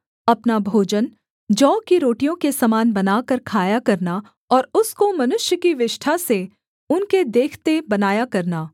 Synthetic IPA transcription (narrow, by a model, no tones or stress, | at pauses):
ɐpnabʱoːd͡ʒən | d͡ʒɔːkiɾoːʈijõkesɐmaːnbɐnaːkɐɾkʰaːjakɐɾna | ɔːɾʊskomɐnʊʃjəkiʋɪʃʈʰase | ʊnked̪eːkʰt̪ebɐnaːjakɐɾnaː